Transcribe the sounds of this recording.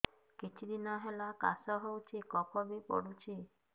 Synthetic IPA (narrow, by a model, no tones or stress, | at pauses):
kit͡ʃʰid̪inɔɦelaka̰sɔɦowt͡ʃʰikɔkɔbipɔ̰ɽut͡ʃʰi